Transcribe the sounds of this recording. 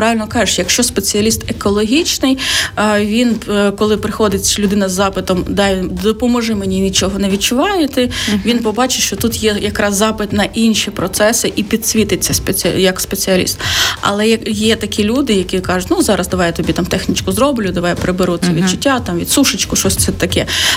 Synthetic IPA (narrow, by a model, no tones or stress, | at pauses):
pɾɑʋɪlʲnɔkɑʒɪʃjɐkʃt͡ʃɔspet͡sʲiɐlʲist̪ekɔlˠɔɦʲit͡ʃnɪj | ʋʲinkɔlˠɪpɾɪxɔd̪ɪt͡sʲlʲʊd̪ɪnɐzːɑpɪt̪ɔmd̪ɑjd̪ɔpɔmɔʒɛmenʲinʲit͡ʃɔɦɔneʋʲid̚t͡ʃʊʋɑjɪt̪ɪʋʲinpɔbɑt͡ʃɪʃt͡ʃɔt̪ut̪jɛjɐkɾɑzːɑpɪt̪nɐʔinʃipɾɔt̪sɛsɪʔipʲid̪sʲʋʲit̪ɪt͡sʲːɐspejɐkspet͡sʲiɐlʲḭst̪ɐ̰lˠɛjɐjɛt̪ɐkʲilʲud̪ɪjɐkʲikɑʐʊtʲnuzɑɾɐzd̪ɐʋɑjɛt̪ɔbʲit̪ɑmt̪ɛxnʲit͡ʃkʊzɾɔblʲʊd̪ɐʋɑjɛpɾebeɾusʲɐʋʲid̪t͡ʃʊtʲːat̪ɑmʋʲid̪suʃɪt͡ʃkʊʃɔsʲt̪sɛt̪ɐkɛ